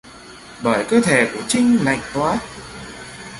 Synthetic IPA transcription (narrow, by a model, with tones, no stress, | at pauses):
ɓəː˧˩jkəː˧t̪ʰe˧˩ku˧˩ət͡ɕï˧ŋ̟la̰˧˨jŋ̟t̪waː˨˦t̚